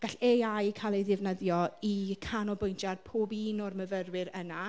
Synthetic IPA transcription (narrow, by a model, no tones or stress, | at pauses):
ɡ̥aɬeajkʰalˠɛjðɪvnəðjɔikʰanɔbʊjntʰjarpʰoːbinɔrməvərwɪɾəna